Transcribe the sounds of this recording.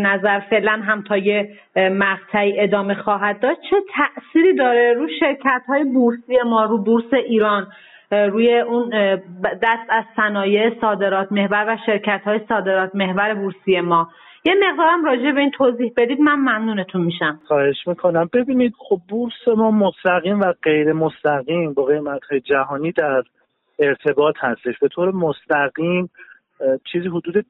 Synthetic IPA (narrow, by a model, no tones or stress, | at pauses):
næzæɾfe̞ʔlænɦæmt̪ʰɒːje̞ | mæʁt̪ʰæiːʔe̞d̪ɒːme̞xɒːɦæd̪̚ːɒːd̪̥̚t͡ʃʰe̞t̪ʰæʔsiːɾiːd̪ɒːɾeɾuːʃe̞ɾcʰæt̪hɒːjebuɾsije̞mɒːɾuːbuɾse̞ʔiːɾɒːn | ɾuːjeʔund̪æst̪æzsænɒːje̞sɒːd̪e̞ɾɒːt̪ʰme̞hvæɾvæʃe̞ɾcʰæt̪hɒːjesɒːd̪e̞ɾɒːt̪ʰme̞hvæɾe̞buɾsije̞mɒː | jeme̞ɣd̪ɒːɾæmɾɒːd͡ʒebe̞iːnt̪ʰoziːhbe̞d̪iːd̪mænmæmnuːnet̪ʰunmiʃæmxɒːhe̞ʃmiːkʰo̞næmbe̞biːniːd̪̥̚χob̚ːuɾse̞mɒːmost̪æɣiːmvæɢe̞jɾe̞most̪æɣiːmbɒːɣe̞jmæt̪hɒːjed͡ʒæɦɒːniːd̪æɾ | e̞ɾt̪ʰe̞bɒːt̪hæst̪e̞ʃb̥e̞t̪ʰoːɾemost̪æɣiːm | t͡ʃʰiːziːɦod̪uːd̪e